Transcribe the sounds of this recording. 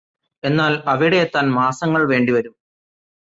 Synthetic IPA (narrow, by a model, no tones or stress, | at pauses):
e̞nːaːlɐʋiɽejet̪ːaːnmaːsɐŋːɐɭʋe̞ːɳɖiʋɐɾum